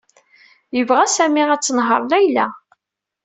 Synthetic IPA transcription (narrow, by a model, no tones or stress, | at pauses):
jəvʁæsæmiæt͡sːənɦə̰ɾˤlæjlæ